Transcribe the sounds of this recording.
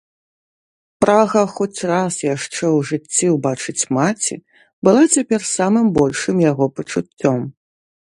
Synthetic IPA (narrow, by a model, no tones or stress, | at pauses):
pɾaɣɐxɔt͡sʲrasjaʂt͡ʂɛwʐɨt͡sʲːiwbat͡ʂɨt͡sʲmat͡sʲḭ | bɨlˠat͡sʲapʲɛrsamɨmbɔlʲʂɨmjaɣɔpɐt͡ʂut͡st͡sʲːɔm